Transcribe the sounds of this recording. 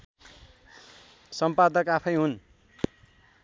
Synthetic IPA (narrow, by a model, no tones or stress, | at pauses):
sʌmpad̪ʌkapʰʌjɦun